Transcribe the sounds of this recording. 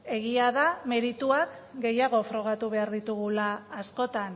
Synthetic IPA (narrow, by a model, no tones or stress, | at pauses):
e̞ɣiaðame̞ɾit̪uakɡe̞jaɣ̞o̞fɾo̞ɣ̞at̪uβe̞aɾðit̪uɣulaːsko̞t̪an